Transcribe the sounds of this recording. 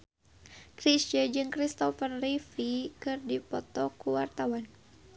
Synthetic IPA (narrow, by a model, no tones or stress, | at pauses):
kɾisd͡ʒəd͡ʒɨŋkɾist̪ɔfərːifikɨrdipɔt̪ɔkuwart̪awan